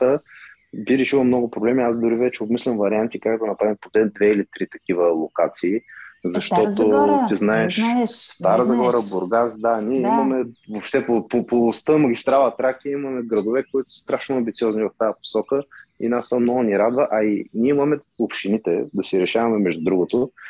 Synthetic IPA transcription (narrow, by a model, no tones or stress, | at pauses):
t̪ə | biɾɛʃilˠəmnɔɡʊpɾoblɛmiazd̪ʊɾivɛt͡ʃɛobmislʲɐmvɐɾiant̪ikakd̪ɐnɐpɾavimpot̪ɛd̪vɛilit̪ɾit̪ɐkivəlˠokat̪siːzɐʃt̪ɔt̪ot̪iznaɛʃst̪aɾəzɡɔɾəbʊɾɡasd̪aniɛimɐmɛvoʃt̪ɛpopopost̪əmɐɡʲist̪ɾalˠət̪ɾakiimɐmɛɡɾɐd̪ovɛkoit̪ʊ̥sə̥st̪ɾaʃnʊɐmbit̪siɔznivɐft̪ajɐpo̥sɔkəḭnasəmnɔɡʊniɾad̪vəʔɐinʲiɛimɐmɛopʃt̪init̪ɛ̰d̪ɐsiɾɛʃavɐmɛmɛʒd̪ud̪ɾuɡʊt̪o